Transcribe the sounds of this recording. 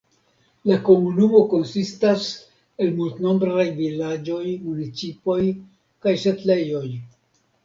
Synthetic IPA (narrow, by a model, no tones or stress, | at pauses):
lako̞munumo̞ko̞nsistas | e̞lmultno̞mbɾajvilad͡ʒo̞jmunit͡sipo̞j | kajʃetle̞jo̞j